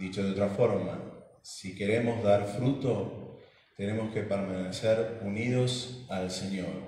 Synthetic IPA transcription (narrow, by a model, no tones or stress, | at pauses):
d̪it͡ʃoðeo̞t̪ɾafo̞ɾma̰sike̞ɾe̞mo̞zðaɾfɾut̪o̞ | t̪e̞ne̞mo̞ske̞peɾmaneseɾunið̞osalseɲoɾ